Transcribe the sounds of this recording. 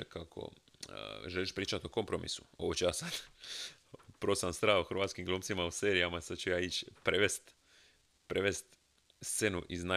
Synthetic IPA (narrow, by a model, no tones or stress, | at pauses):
kakʰo̰ | ʒeliʃpɾiːt͡ʃat̪oko̞mpɾo̞mḭsu̥oʋot͡ʃujaːsad̪̥ | pɾosamst̪ɾaːhoxɾʋaːt̪skimɡluːmt̪simause̞ːɾijamasad̪t͡ʃujaːit͡ʃpɾeʋest̪ | pɾeʋest̪ | st̪se̞nṵʔizna